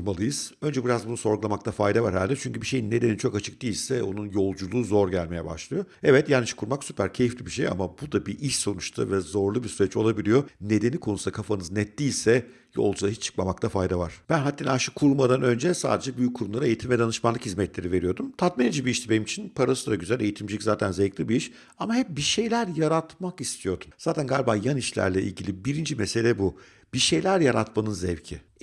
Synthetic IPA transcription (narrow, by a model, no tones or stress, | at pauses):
ɾmalˠɯjɯz̥ø̞nd͡ʒɛbiɾazbunuso̞ɾɡlˠamak̚t̪ʰˠafajd̪avaɾha̰lʲd̪ɛt͡ʃʰyɲcybiʃe̞jinːe̞d̪e̞nit͡ʃʰo̞kat͡ʃʰɯ̥k̚d̪iilʲsɛo̞̰nunjo̞lˠd͡ʒulˠuːzo̞ɾɟælʲme̞jɛba̰ʃlˠɯjo̞ɛvɛt̪janiʃkʰuɾmaksypæɾcʰe̞jiflʲibiʃeja̰mabud̪abiʔiʃso̞nut͡ʃt̪ʰɯ̰vɛzo̞ɾlˠubisyɾɛt͡ʃo̞lˠabilʲijo̞ne̞d̪e̞nikʰo̞nusakʰafanɯznɛt̪ːiːlʲsɛ | jo̞̰lˠd͡ʒulˠaɦit͡ʃt͡ʃʰːɯ̥kmamak̚t̪ʰˠafajd̪avaɾ̥b̥ænɦat̪ːinaʃɯkʰuɾmad̪anø̞nd͡ʒɛsa̰ːd̪e̞d͡ʒɛbyjyc̚kʰːuɾumlˠaɾae̞jit̪ʰimvɛd̪anɯʃmanˠɯkhizmɛt̪lʲe̞ɾive̞ɾijo̞d̪umt̪ʰat̪mined͡ʒibiiʃt̪ʰibe̞nimit͡ʃʰinpʰaɾasɾaɟyzælʲe̞jit̪ʰimd͡ʒilʲic̪zaːt̪ʰænzejclʲibiiʃ | amahɛp̚biʃe̞jlʲæɾjaɾat̪makist̪ʰijo̞ɾd̪umz̥aːt̪ʰænɡalʲbaːjaniʃlʲæ̰ɾlʲɛʔḭlʲɟilʲibiɾind͡ʒimɛse̞lʲɛbu | b̥iʃe̞jlʲæɾjaɾat̪manɯnzɛvcʰi